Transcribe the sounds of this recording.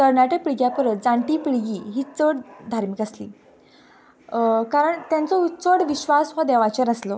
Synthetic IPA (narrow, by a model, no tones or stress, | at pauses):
kəɾnaʈək̚piɭɡjapəɾət̪̚d͡zãɳʈiːpiɭɡiːɦiːt͡səɽd̪ʱaɾmikaslḭː | kaɾəɳt̪jãnt͡sɔt͡səɽʋiɕʋasʋad̪ɛʋat͡ɕəɾnəslo